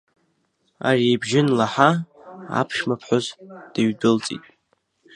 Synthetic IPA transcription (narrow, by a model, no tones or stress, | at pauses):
a̰rijbʒɪnlaħaa̰pʰʃmapʰħʷozd̥aɥdɨlt͡sʼḭtʼ